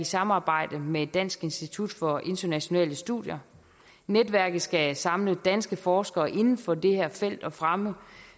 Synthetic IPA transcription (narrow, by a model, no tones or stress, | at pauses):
isɑ̈mɑ̈ːb̥ɑ̈ɪ̰d̥əmed̥ːæn̰sɡ̥e̝nsd̥it͡sʰud̥fɒ̽ʔe̝nd̥ɐnæɕo̝nɛ̰ːləsd̥ṵðˠjɐ | ned̥ʋæɐ̰ɡ̥ð̩ˠsɡ̥æsɑ̈mləd̥æn̰sɡ̥əfɒːsɡ̥ɐːʔe̝nn̩fɒ̽d̥e̝hæɐ̰fel̰d̥ɒ̽fʁamə